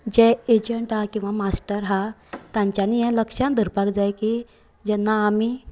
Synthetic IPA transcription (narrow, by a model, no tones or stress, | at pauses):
d͡ʑɛed͡ʑəɳʈɦakĩw̃ʋamasʈəɾɦat̪ãɲt͡ɕjanijɛ̃ləkʂãnd̪əɾpakd͡zajki | d͡ʑɛnːaːmi